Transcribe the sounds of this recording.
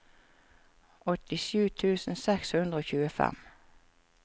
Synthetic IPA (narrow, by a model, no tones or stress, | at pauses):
ʔɔt̪ɪʃʉːt̪ʰʉːsn̩sɛkshʉnd̪ɾəoːçʉːəfɛ̰m